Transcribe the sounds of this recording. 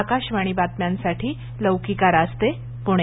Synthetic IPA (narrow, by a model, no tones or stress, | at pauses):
kaɕʋaɽ̃ibat̪̚mjãnsaʈʰiː | ləwkikaɾast̪e | puɽ̃e